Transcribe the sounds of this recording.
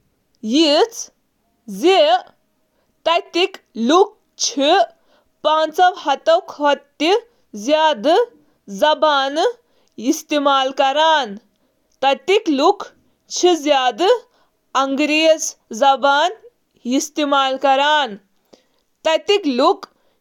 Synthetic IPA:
jit͡sʰ | ze | t̪ɐjt̪ikluk̚ | t͡ʃʰi | paːnt͡sɐʋhɐt̪ɐwkʰɐt̪ːi | zjaːd̪ɨ | zɐbaːn | ist̪imaːlkɐɾaːn | t̪ɐt̪ikluk | t͡ʃʰizjaːd̪ɨ | ɐŋɡɾezzɐbaːn | ist̪imaːlkɐɾaːn | t̪ɐt̪ikluk

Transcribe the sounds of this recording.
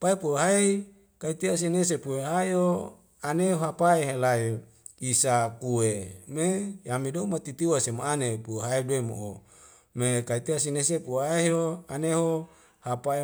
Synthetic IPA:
paepuweɦai | kait̪ias̬ines̬epuweɦaio | aneoɦapaeɦelai | isakuwemejamidomat̪it̪iwasemoanepueɦaiduemo̰ʔo | mekait̪iasinesepuaeɦoaneɦo | hapae

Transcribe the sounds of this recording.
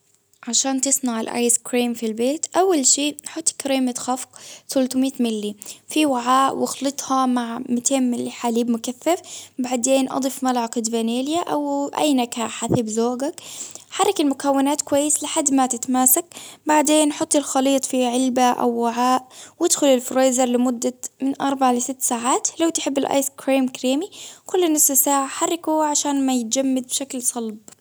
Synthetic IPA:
ʕaʃaːnt̪ɪsˤnaʕɪlʔa̰ːjskɾiːmfilbeːt̪ʔawːalʃiːħʊt̪ˤːkɾiːmɪt̪xɑfqθʊlt̪ʊmiːt̪mɪlːifiwaʕaːʔwɪxlɨt̪ˤhɑmaʕmɪt̪ʰeːmmɪlːiħaliːbmʊkaθːafbaʕd̪eːnʔɑ̰d̪ˤɨfmalʕɑqɪd̪vaneːljaʔawʔa̰jnakaːħaθɪbzoːɡakħɑrˤːɑkɪlmʊkawːɪnaːt̪kwajːɪslɪħad̪ːmat̪ɪt̪amaːsakbaʕd̪eːnʔħʊt̪ˤːɪlxɑliːt̪ˤfiʕɪlbaʔa̰wːaʕaːʔwɪd̪xʊlɪlfɾeːzɑɾˤlɪmʊd̪ːamɪnʔɑɾˤbaʕlɪsɪt̪ːsaːʕaːt̪lawt̪ɪħɪbːɪlʔa̰ːskɾaːmkɾeːmikʊlːnɪssaːʕaħɑrˤːɪkuʕaʃaːnmajɪt̪̚d͡ʒamːad̪̚bʃaklsˤɑlb

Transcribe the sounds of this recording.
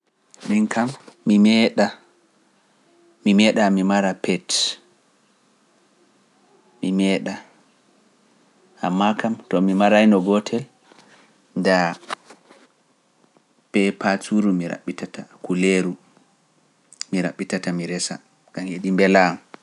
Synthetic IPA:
minkʰamːimɛɗa | mimɛɗamimaɾapʰɛt | mimɛɗa | amːakamtɔmimaɾajnɔɡɔtʰɛ | nda | pɛpat͡ʃuɾumiɾa̰ɓːitatakuleɾu | miɾa̰ɓːitatamiɾɛsa̰ | kaneɗimbɛlam

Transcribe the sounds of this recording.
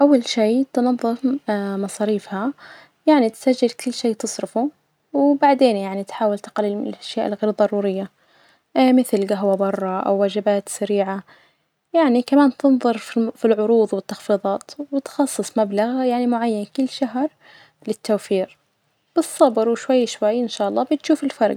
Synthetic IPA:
ʔawːalʃiːt̪nɑðˤːɨfmɑsˤɑːɾiːfha | jaʕnit̪sad͡ʒːɪlkʊlːʃeːt̪ɨsˤɾɪfu | wbaʕd̪eːnjaʕnit̪ħaːwalt̪ɪ̥qalːilʔaʃjaːʔɪlɣeːɾðˤɑɾˤuːɾɪjːa | mɪθlɡaɦwabɑrˤːɑʔa̰wːaːd͡ʒɪbaːt̪saɾiːʕa | jaʕnikamaːnt̪ɪnðˤɨɾˤffilʕʊɾuːðˤwɪt̪ːɑxfiːðˤɑːt̪wɪt̪xɑsˤːɨsˤmablaɣjaʕnimʊʕajːankʊlːʃaɦɾˤ | lɪt̪ʰːaːfiːɾ | b̥ɨsˤːɑbɾwɪʃwajːʃwajːʔɪnʃaːʔɑlˤːɑːbɪt̪ʃuːfɪlfɑɾˤɡ

